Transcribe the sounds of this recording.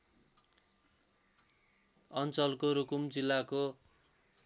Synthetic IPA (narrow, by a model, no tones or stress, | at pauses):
ʌnt͡sʌlkoɾukumd͡zilːako